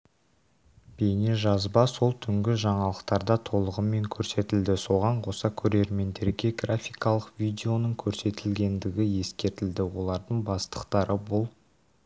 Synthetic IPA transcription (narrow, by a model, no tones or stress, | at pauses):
b̥ejneʒɑzbɑso̞lˠt̪ʰʏŋɡʲɪʒɑɴɑlˠəqt̪ɑɾd̪ɑt̪ʰo̞lˠəʁəme̞ŋkʲʰɵɾse̞t̪ɪld̪ɪso̞ʁɑɴqʰo̞sɑkʲʰɵɾe̞ɾme̞nd̪e̞ɾɡʲe̞ɡrafʲijkɑlˠəqvʲijd̪ʲe̞o̞nəɴkʲʰɵɾse̞t̪ɪlɡʲe̞nd̪ɪɡʲɪje̞skʲe̞ɾt̪ɪld̪ɪwo̞lˠɑɾd̪əɴbɑst̪ə̥qt̪ɑɾəbolˠ